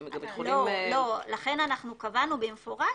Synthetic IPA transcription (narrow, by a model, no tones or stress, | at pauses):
lolo̞laχe̞nanaχnukavanubemefo̞ʁa